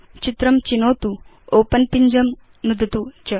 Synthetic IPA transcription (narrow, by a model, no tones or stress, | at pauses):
t͡ɕit̪ɾɐmt͡ɕinoːt̪u | oːpɐnpiɲd͡ʒɐm | nud̪ɐt̪ut͡ʃɐ